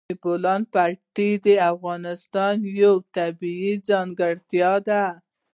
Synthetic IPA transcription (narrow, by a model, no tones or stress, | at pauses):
bolɑn̚paɾʈid̪əafɣɑnɪst̪ɑnjawt̪abiid͡zɑŋɡəɽt̪jɑd̪a